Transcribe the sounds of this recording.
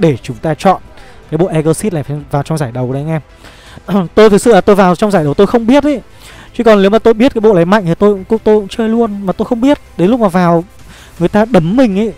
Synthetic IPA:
ɗe˧˩t͡ɕʊ˨˦ŋ͡mt̪aː˧t͡ɕɔ̰˧˨n | kaː˨˦jɓo̰˧˨ʔɛ˧ɣəː˧si˦˥t̚laː˨˩fa˨˧vaː˨˩wt͡ɕɔ˧wŋ͡mzaː˧˩jɗə˨˩wɗə˨˦ŋɛ˧ | t̪o˧jt̪ʰɨ˨˩k̚sɨ̰˧˨laː˨t̪o˧jvaː˨˩wt͡ɕɔ˧ŋ͡mzaː˧˩jɗə˨˩wt̪o˧jxə˧wŋ͡mɓi˦˥ət̚ʔə˨˦ | t͡ɕi˧˦kɔ˨˩ne˨˦wmaː˨˩t̪o˧jɓi˦˥ət̚kaː˨˦ɓo̰˧˨laː˨˦jma̰˧˨jŋt̪ʰt̪o˧jkt̪o˧jt͡ɕəː˧jlu˧ənmaː˨˩t̪o˧jxə˧wŋ͡mɓi˦˥ət̚ɗe˨˦nlʊ˦˥k͡p̚maː˨˩vaː˨˩w | ŋɨ˨˩əjt̪aː˧ɗə˨˦mːï˨˩ŋ̟ʔa˨˦

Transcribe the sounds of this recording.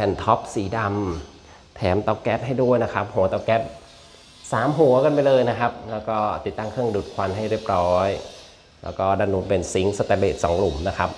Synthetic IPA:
pʰɛ˧˩nt̪ʰɔ˦˥p̚siː˩˦da˧m | t̪ʰɛː˩˦mt̪ɔ˧˩kɛ˦˥t̪̚ɦa˥˩jdu˥˩əjna˦˥kʰa˦˥p̚ɦu˨˩˦ɐt̪ɔː˧˩kɛ˦˥t̪̚ | saː˩˦mɦu˨˩˦ɐka˧npa˧jlɤː˧jna˦˥kʰa˦˥p̚lɛː˦˥wkɔː˥˩t̪i˨˩t̪ːa˥˩ŋkʰɯ˥˩əŋduː˨˩t̪̚kʰwa˧nɦa˥˩jɾi˥˩əp̚ɾɔː˦˥j | lɛ̰ː˦˥wkɔː˥˩da˧nːuː˨˧˦pe˧nsi˦˥ŋsa˧t̪ɛː˧˩leː˨˩t̪̚sɔː˩˦ŋlu˨˩˦mna˦˥kʰa˦˥p̚

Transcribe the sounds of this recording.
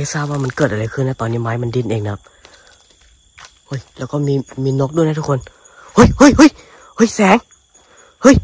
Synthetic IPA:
a˧˦saː˧˩waː˧maː˧˩˨nkəː˨˩t̚ʔaː˧˨ɾaː˨˧˩jkʰɯ˧˨naː˧˥t̪ɔː˧˨nːi˧˥˨maː˨˦jma˧˨ndi˧˨nʔeː˧˩ŋnaː˨˧˥p̚ | ho˧˩jlɛː˧˩wkɔː˧˩mi˧miː˧no˦˥k̚ɗu˧˥˨na˧˩t̪ʰu˦˥kʰwn | ho˧˩jhu˧˩jhu˧˩˨j | ho˧˩jsɛː˨˦ŋ | hj

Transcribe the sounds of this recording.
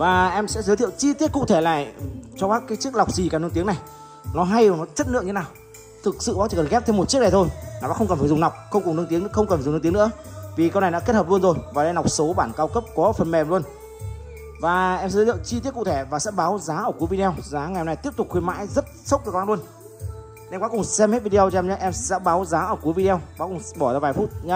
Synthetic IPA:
vaː˨˩ʔɛ˧msɛ̰˧˥zə˨˦t̪ʰi˧˨wt͡ɕi˧t̪i˦˥əkṵ˧˨t̪ʰe˧˩la̰ː˨˩˨jt͡ɕɔ˧ɓaː˦˥kːaː˨˦jt͡ɕi˦˥ək̚la˨˩wk͡p̚zi˨˩ka˨˩nɨ˧nt̪i˨˦əna˨˩j | nɔ˨˦ɦa˧jnɔ˨˦t͡ɕə˦˥t̚nɨ̰˧˨ŋɨ˧e˦aː˨˩w | t̪ʰɨ˨˩k̚sɨ̰˧˨ɓaː˨˦t͡ɕi˨˩kə˨˩xɛ˦˥p̚t̪ʰe˧mo˨˩t̚t͡ɕi˦˥ək̚a˨˩t̪ʰo˧jnː˨a̰ː˧˥xə˧wŋ͡mkə˨˩faː˧˩zʊ˨˩ŋ͡mna˨˩wk͡p̚xə˧wŋ͡mkŋ͡mnɨ˧ŋt̪i˨˦ŋn˧˥xə˧wŋ͡mkə˨˩fa˨˩˨i˨˦nɨ̰˧˥əvi˨˩kə˧wna˨˩jɗa̰ː˧˥e˦˥t̚həː˨˩p̚lənzo˨˩jvaː˨˩ɗə˧jn˨˩wk͡p̚so˨˦ɓaː˧˩nkaː˧wkə˦˥p̚kɔ˨˦fə˨˩nmɛ˨˩mlu˧ən | vaː˨˩ʔɛ˧msɛ̰˧˥zə˨˦zə̰˧˨t͡ɕi˧t̪i˦˥ət̚kṵ˧˨t̪ʰe˧˩vaː˨˩sɛ̰˧˥ɓaː˨˦wzaː˨˦ʔəː˧˩ku˨˦vi˧ɗe˧wzaː˨˦ŋa˨˩˨ɛ˧wna˨˩jt̪i˦˥əp̚t̪ʊ˨˩kxwi˧ma̰ː˧˥jzə˦˥t̚sə˦˥k͡p̪̚ːkwaː˧lu˧ən | ɛ˧mka˨˦kʊ˨˩ŋ͡msɛ˧mhe˦˥t̚vi˧ɗi˧ə˧wt͡ɕɔ˧ɛ˧mɲə˧ʔɛ˧msɛ̰˧˥ɓaː˨˦wzaː˨˦ʔəː˧˩ku˨˦jvi˧i˧wkaː˨˦˥kʊ˨˩ŋŋ͡mɓɔ˧˩zaː˧vaː˨˩jfu˦˥t̚ɲa˧

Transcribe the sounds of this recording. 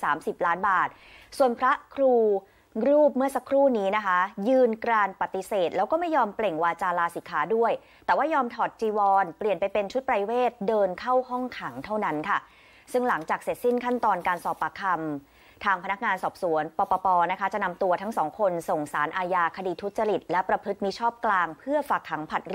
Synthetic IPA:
saː˩˦msi˨˩p̚laː˦˥nbaː˨˩t̪̚ | su˨˩ənpʰɾa˦˥kʰɾuː˧ | ɾuː˥˩p̚mɯ˥˩ɐsa˧˦˥kʰɾuː˥˩niː˦˥na˦˥kʰa˦˥jɯː˧nkɾaː˧npa˨˩t̪ːi˨˦seː˨˩t̪̚lɛː˦˥wkɔː˥˩ma˥˩jːɔː˧mple˨˩ŋwaː˧t͡ɕaː˧laː˧siː˩˦kʰaː˩˦˥du˥˩əj | t̪ɛː˨˩waː˥˩jɔː˧mt̪ʰɔː˨˩t̪̚t͡ɕiː˧wɔː˧npli˨˩ənpa˧jpe˧nt͡ɕʰu˦˥t̪̚pɾa˧jweː˥˩t̪̚dɤː˧nkʰa˥˩wɦɔ˥˩ŋkʰa˩˦ŋt̪ʰa˥˩wna˦˥nkʰa˥˩ | sɯ˥˩ŋla˩˦ŋt͡ɕaː˨˩k̚se˨˩t̪̚si˦˥˩nkʰa˥˩nt̪ɔː˧nkaː˧nsɔː˨˩pːa˧kʰa˧m | t̪ʰaː˧ŋpʰa˧na˦˥k̚ŋaː˧nsɔː˨˩p̚su˩˦ənpɔː˧pɔː˧pɔː˧na˦˥kʰa˦˥t͡ɕa˨˩na˧mt̪u˧ɐt̪ʰa˦˥ŋsɔː˩˦ŋkʰo˧nso˨˩ŋsaː˩˦nʔaː˧jaː˧kʰa˧diː˧t̪ʰu˦˥t̪̚t͡ɕa˧ɾi˨˩t̪̚lɛ˦˥pɾa˧pʰɯ˦˥t̪̚miː˧t͡ɕʰɔː˥˩p̚klaː˧ŋpʰɯ˥˩ɐfaː˨˩k̚t̪ʰːa˩˦ŋpʰa˨˩t̪̚

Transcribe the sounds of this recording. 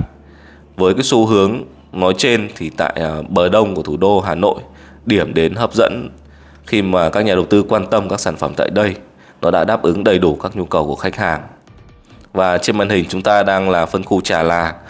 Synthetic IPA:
vəː˨˦jkaː˨˦su˨˧˦ɦɨ˨˦əŋ | nɔ˨˦jt͡ɕe˧nt̪ʰi˨˩t̪a̰ː˧˨jɓəː˨˩ɗə˧wŋ͡mku˧˩ət̪ʰu˧˩ɗo˧ɦaː˨˩no̰˧˨j | ɗi˧˩əmɗe˨˦nɦəː˦˥p̚zə̰˧˥n | xi˧maː˨˩kaː˦˥k̚ɲaː˨˩ɗə˨˩wt̪ɨ˧kwaː˧nt̪ə˧mkaː˦˥k̚saː˧˩nfə˧˩mt̪a̰ː˧˨jɗə˧j | nɔ˨˦ɗa̰ː˧˥ɗaː˦˥p̚ʔɨ˨˦ŋɗə˨˩jɗu˧˩kaː˦˥k̚ɲu˧kə˨˩wku˧˩əxa˦˥jk̚haː˨˩ŋ | vaː˨˩t͡ɕe˧nma̰˧˨˩nhï˨˩ŋ̟t͡ɕʊ˨˦ŋ͡mt̪aː˧ɗaː˧ŋlaː˨˩fə˧nxu˧t͡ɕaː˨˩laː˨˩

